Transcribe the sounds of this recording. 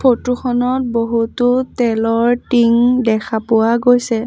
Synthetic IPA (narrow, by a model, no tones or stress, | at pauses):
pʰotuxʰɔnɔt̚boɦutʊtɛlɔɹtiŋdɛkʰapʊwaɡojsɛ